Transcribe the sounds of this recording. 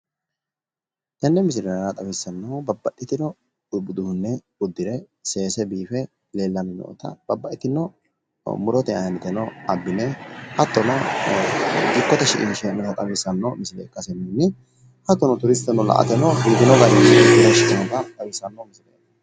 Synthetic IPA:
t̪ɛnːɛmɪs̬ɪɾɛnɐnɐt̪ʼɐwisːɐnːɐwbɐbːɐʔɪt̪ɪnɔ | ʊbʊd̪ʊhʊnːɛ | ʊd̪ːɪɾɛ | se̞ːsɛbiːfɛ | le̞ːlːɐnɪnɔ̰ʔɔ̰t̪ɐ̰b̥ɐbːɐʔɪt̪ɪnɔ | mʊɾɔt̪ɛɐjɐnɛt̪ɛnɔɐbːɪnɛhɐt̪ːɔnɔ | ɡ̪ɪkːɔt̪ɐʃɪʔɪnʃɛnɛt̪ɐt̪ʼɐwiːsɐnːɐmɪsɪlɛ̰ːkʼːɐsɛnːɛnːɪ | hɐt̪ːɔnɔt̪ʊɾɪst̪ːɛnɔlɐ̰ʔɐ̰t̪ɛnɔbiːt̪ɪnɔɡɐjɪmsɪlɛɪd̪ɐʃɪʔɪnɔt̪ɐt̪ʼɐwiːsːɐnːomɪsɪlɛ

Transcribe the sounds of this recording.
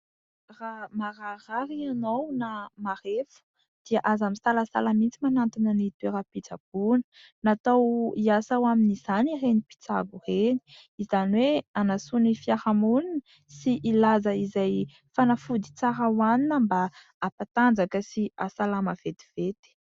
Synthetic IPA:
ramararaɾianownamarefu̥ | d̪̥iaʔazamisalasa̰lamint͡simanant̪inənit̪eɾapit͡sab̥unə̥ | nat̪awiasawaminiz̥anirenipi̥t͡saɡureni̥ | izaniweanasunifiaɾamulinə | siʔːlazəizaj | fanafud̪it͡saɾawaninəmbaː | pat̪and͡zakəsiasalaməv̥et̪i̥v̥et̪i̥

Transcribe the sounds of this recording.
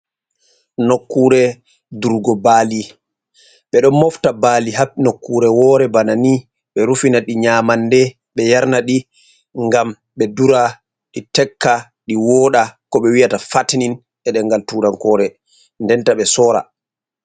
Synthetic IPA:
nokːuːɾɛ | duɾɡɔbali | ɓɛɗɔnmɔftabaːliɦapːinokːuɾɛwɔːɾɛbanani | ɓɛɾufinaɗiɲaːmandɛ | ɓɛjaɾnaɗi | ŋɡam | ɓɛduɾa | ɗitɛkːa | ɗiwɔːɗakɔɓɛwijatafatnin | ʔɛɗɛŋɡaltuɾaŋkɔɾɛ | ndɛntaɓɛsɔːɾa̰

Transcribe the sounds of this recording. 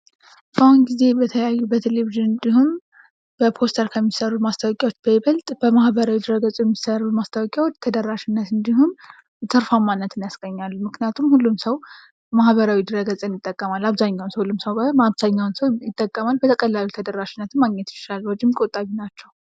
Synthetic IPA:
fanɡize̞bət̪ʰəjajːubət̪ʰeleβiʒɨnɨnd̪iɦum | b̥əpʰo̞st̪ʰəɾkʰəmːisəɾut̪mast̪ʰawɔkʼawo̞t͡ʃːb̥əjɛβəlt̪ʼbəmahbəɾawid̪ɨɾəɡət͡sʼjɛmːisəɾumast̪ʰawɔkʼjawo̞t͡ʃːt̪ʰəd̪əɾːaʃɪnːət̪ɨnd̪iɦum | t̪ʰəɾfamːanːət̪ʰɨnjasɡəɲːalːumɨknijat̪ʰumhulːumsəw | mahβəɾawid̪ɨɾəɡət͡sʼɨnjɪt̪ʼːəkʼːəmalaβzaɲːawnsəwhulːumsəwbəmaβz̥aɲːawnsəwjɪt̪ʼːəkʼːəmalbət̪ʰəkʼəlːalut̪ʰəd̪əɾːaʃɪnːət̪ʰɨnmaɡɲɛt̪jɪ̥ʃalwɔd͡ʒːɪmkʼot̪ʼaβinat͡ʃːɛw

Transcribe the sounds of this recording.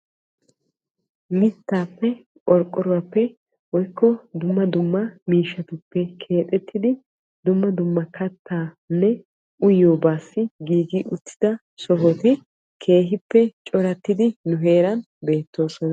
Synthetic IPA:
mɪt̪ːaːpːɛ | ʔʼɔɾkʼːɔɾʊwɐpːɛ | wɔjkːɔd̪ʊmːɐd̪ʊmːɐmiːʃːɐt̪ʊpːɛkʰe̞ːt̪ʼɛt̪ʰːɪd̪ɪ | d̪ʊmːɐd̪ʊmːɐkʰɐt̪ʰːaː | nːɛ | ʔʊjoːbaːsːɪɡiːɡiʔʊt̪ːɪd̪ɐ | sɔɦɔt̪ɪ | kʰe̞ːɦɪpːɛt͡ʃʼɔɾɐt̪ːɪd̪ɪnʊɦe̞ːɾɐn | be̞ːt̪ːo̞ːsɔn

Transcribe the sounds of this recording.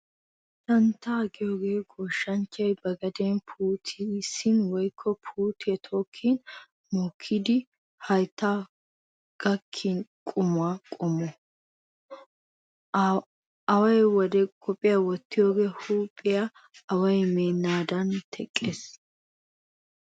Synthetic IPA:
t̪ɐnt̪ːaːɡɪjo̞ːɡe̞ːɡoːʃːɐnt͡ʃːɐjbɐɡɐd̪ɛːnpʰuːt̪ʰisɪnwɔjkʰːɔpʰuːt̪ɛt̪ʰo̞ːkʰːin | mɔːkʰːɪd̪ɪ | hɐjt̪ːaː | ɡ̥ɐkʰːɪnkʼʊmʊaːkʼʊmɔ | ɐwɐjwɔd̪ɛkʰɔpʼːɪjawɔt̪ːɪjo̞ːɡe̞ːhuːpʼːɪja | ɐwɐjmeːnːaːd̪ɐnt̪ʰɛkʼːeːs

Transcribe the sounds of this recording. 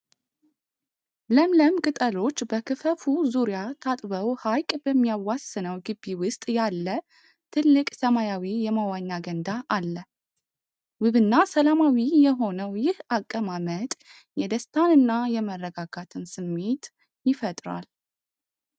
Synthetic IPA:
ləmləmkʼɨt̪ʼəlo̞t͡ʃːbəkʰɨfəfuzuɾjat̪ʰat̪ʼbəwhajkʼbəmːijawasːɨnəwɡɨbːiwʊst̪ʼjalːə | t̪ʰɨlːɨkʼsəmajawijɛmawaɲːaɡənd̪aʔalːə | wɨβɨnːasəlamawijɛɦo̞nəwjɪhakʼːəmamət̪ʼ | jɛd̪əst̪ʰanɨnːajɛmərːəɡaɡat̪ʰɨnsɨmːe̞t̪ | jɪfət̪ʼɾa̰l

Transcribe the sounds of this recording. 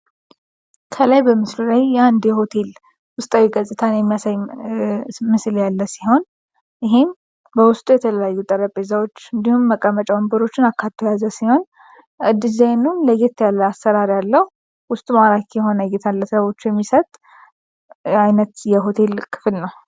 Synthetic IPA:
kʰəlajbəmɨslulajand̪jɛho̞t̪ʰe̞l | wʊst̪ʼawiɡəsʼɨt̪ʰanjɛmːijasaj | mɨsljalːəsiho̞n | ɪɦem | bəwʊst̪ʼujɛt̪ʰələjajːut̪ʼəɾəpʼezawo̞t͡ʃːɨnd̪ihumːəkʼəmət͡ʃʼəwəmbəɾo̞t͡ʃːɪnakʰːat̪ʰːojazəsiho̞n | ʔɨd̪ɨzajnunləɡet̪jalːəasːəɾaɾjalːəhu | wʊst̪ʼumaɾakʰjɛɦo̞nəɡet̪ʰalːəssəβo̞t͡ʃːujɛmːisət̪ʼ | ajnət̪jɛɦo̞t̪ʰe̞lkʰɨ̥fɨlnəw

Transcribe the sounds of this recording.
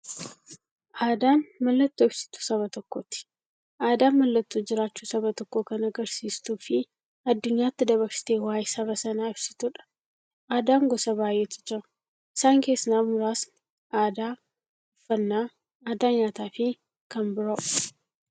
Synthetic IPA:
ʔaːd̪aːnmɐlːɐt̪ːoːɪb̥sɪ̥t̪u̥sɐβɐt̪ɔkːot̪ɪ̥ | ʔaːd̪aːnmɐlːɐt̪ːuːd͡ʒɪɾaːt͡ʃːuːsɐbɐt̪ɔkːokɐnɐɡɐɾsiːst̪uːfɪ | ɐd̪ːʊɲːaːt̪ːɪd̪ɐβɐɾsɪ̥t̪eːwaːjsɐβɐsɐnaːɪbsɪ̥t̪uᶑɐ̥ | ʔaːd̪aːŋɡɔsɐbaːjʔeːt̪ɪ̥d͡ʒɪɾɐ | ɪsaːŋke̞ːsnaːmʊɾaːs | ʔaːd̪aː | ʊfːɐnːaː | aːd̪aːɲaːt̪aːfɪ | kɐmbʊɾɐʔʊ̥

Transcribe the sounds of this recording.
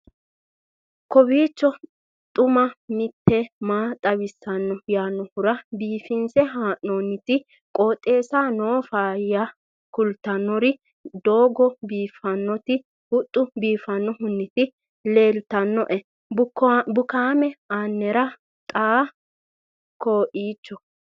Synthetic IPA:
kɔbiːt͡ʃːɔ | t̪ʼʊmɐmɪt̪ʰːɛmaːt̪ʼɐβɪsːɐnːɔjaːnːɔhʊɾɐbiːfɪnsɛɦaːʔnoːnːɪt̪ɪ | kʼoːt̪ʼːe̞ːsaːnoːfaːjɐ | kʊlt̪ɐnːɔɾɪ | d̪oːɡɔbiːfɐnːɔt̪ɪ | hʊt̪ʼːʊbiːfɐnːɔhʊnːɪt̪ɪ | le̞ːlt̪ɐnːɔʔɛ | bʊbʊkaːmɛaːnːɛɾɐ | t̪ʼaː | koːʔiːt͡ʃːɔ

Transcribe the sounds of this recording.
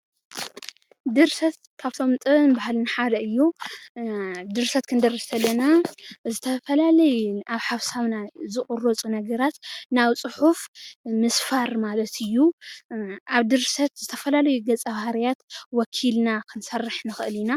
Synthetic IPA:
d̪ɨɾsɐt̪ | kʰaβt̪ʰo̞mt̪ʼɨβnbahalnaħad̪ɐɨjːu | d̪ɨɾsɐt̪kʰɨnd̪ɐrɐsɐlːɐnazɨt̪ʰɐfɐlalɐjʔaβħaβsaβnazɨkʼuɾot͡sʼunɐɡɐɾat̪nawt͡sʼɨħufmɨsfaɾmalɐt̪ʰɨjːu | ʔaβd̪ɨɾsɐt̪zɨt̪ʰɐfɐlalɐjuɡɐt͡sʼɐβhaɾijat̪wɔkʰilnakʰɨnsɐrːɨħnɨxɨɨlina

